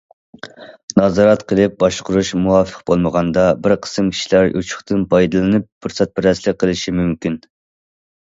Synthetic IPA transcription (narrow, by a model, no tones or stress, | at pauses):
nɑzɑɾɑt̪qʰəlˠɨp̚bɑʃqʊɾuʃmuwɑfə̥qbolˠməʁɑnd̪ɑbɪɾqʰə̥sɨmkʲʰi̥ʃilæɾjṵt͡ʃʰʊ̥χt̪ɨnpʰɑjd̪ɨlˠɨnɨp̚fuɾsɛt̪̚bɪɾɛslɪqʰːəlˠɪʃimymkʲin